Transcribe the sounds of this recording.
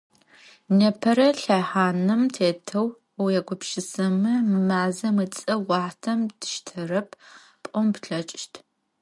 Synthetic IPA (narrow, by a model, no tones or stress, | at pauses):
nɐpʰɐɾɐɬaħaːnɨmtʰeːtʰɐw | wjɛɡʷʊpʃɪsɐmɨmɨmaːzɐmɨt͡sʼɐwɑħtʰɐmdɨ̥ʃtʰɐrɐp̚ʰ | pʼɔmpɬɐt͡ʃʼʃtʰ